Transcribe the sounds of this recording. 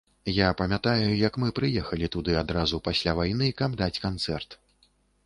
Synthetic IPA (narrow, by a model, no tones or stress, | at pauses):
japɐmʲat̪ajujɐkmɨpɾɨjɛxɐlʲit̪ud̪ɨad̪ɾazupasʲlʲavajn̪ɨkɐbd̪at͡sʲkant̪sɛrt̪